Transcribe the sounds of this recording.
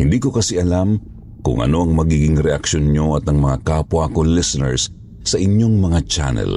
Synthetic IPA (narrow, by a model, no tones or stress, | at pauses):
hɪnd̪iːkokɐsiʔɐlam | kʊ̰ŋʔɐ̰no̞ʔɐŋmɐɡiːɡɪŋɾɛʔɐkʃonɲoɐt̪ɐŋmɐŋakaːpwɐkolɪsɛnɛ̰ɹsː | ɐʔɪɲjoŋmɐŋat͡ʃa̰nɛ̰l